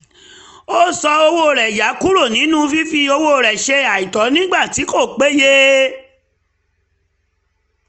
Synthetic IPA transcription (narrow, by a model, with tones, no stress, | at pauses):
o˦sɔ˧o˧wo˧˨ɾɛ˨ja˨˦ku˦ɾo˦˨nĩ˨˦nũ˦fi˦fi˧o˧wo˧˨ɾɛ˨ʃe˧a˨i˨tɔ˨˦nĩ˦ɡ͡ba˦˨ti˨˦ko˦˨k͡pe˨˦je˦